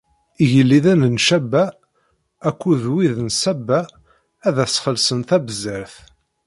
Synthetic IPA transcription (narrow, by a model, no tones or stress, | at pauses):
iʝəlːiðænənʃæbːæ | ækʷːuðwiðnsæbːæː | ðæsχəlsənθæbəzəɾθ